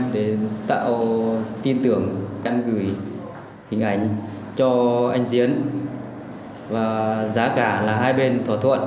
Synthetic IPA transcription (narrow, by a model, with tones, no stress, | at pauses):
ɗe˨˩t̪a̰ː˧˨wt̪i˧nt̪ɨ˨˧˩əŋka˧nɣɨ˧˩j | hï˨˩ŋ̟ʔa˨˩˦jŋ̟ | t͡ɕɔ˧ʔa˧jŋ̟zi˨˦ən | vaː˨˩zaː˨˦kaː˧˩laː˨˩ɦaː˧jɓe˧nt̪ʰwaː˧˩t̪ʰwə̰˧˨n